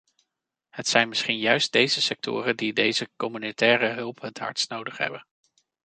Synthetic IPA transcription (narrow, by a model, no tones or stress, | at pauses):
hətsɛjnmɪsχinjœɥst̚dejzəsɛk̚tʰʊ̰ːrəndidejzəkɔmynotɛːrəɦɵlˠpɦətɦɑ̰ɹtsnowdəχɦɛ̰bən